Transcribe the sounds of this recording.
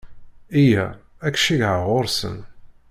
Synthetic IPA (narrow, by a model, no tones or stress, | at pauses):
ijæ̰ | ækʃiʝʕaʁoɾsə̰n